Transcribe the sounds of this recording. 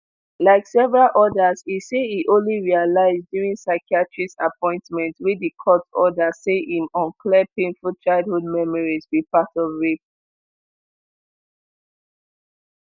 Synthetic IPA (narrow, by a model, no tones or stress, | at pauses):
laɪksɛvəɹalʔɔdəziseiʔõnliɹialaɪzdjuɹĩnsaɪkiatʰɹisa̰pɔ̃ɪ̃ntmɛ̃ntwidikʰɔtɔdaseʔĩmɔ̃nkʰlɛd̚pẽnfut͡ʃaɪd̚hud̚mɛmɔɹisbipatɔvɹep̚